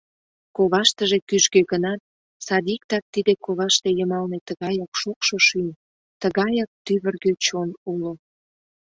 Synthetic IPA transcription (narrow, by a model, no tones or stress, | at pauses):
koβɑʃt̪əʒekyʒɡøɣənɑt̪̚ | sɑd̪ik̚t̪ɑk̚t̪id̪ekoβɑʃt̪ejəmɑlnet̪əɣɑjɑkʃukʃoʃynʲ | t̪əɣɑjɑk̚t̪yβərɣøt͡ɕonulo